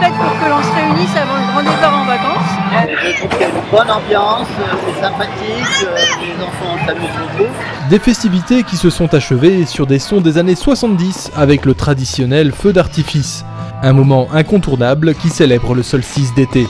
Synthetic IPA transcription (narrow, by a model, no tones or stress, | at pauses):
pɛt̪mɔ̃kəlɑ̃sɛmnisavɑ̃ɛ̃ɡʁɑ̃d̪ekɔʁɑ̃vakɑ̃sed̪ət̪ɔ̃aynbɔnɑ̃bjɑ̃søsesɛ̃pat̪ikøklezɑ̃fɑ̃ɑ̃samøoze | d̪efɛst̪ivit̪ekʲisəsɔ̃t̪aʃəvesyʁd̪esɔ̃d̪ezaneswasɑ̃t̪̚d̪is | avɛklət̪χad̪isjɔnɛlfød̪aʁt̪ifis | ɛ̃mɔmɑ̃ʔɛ̃kɔ̃t̪uʁnablkʲiselɛbʁələsœlsis̬d̪et̪e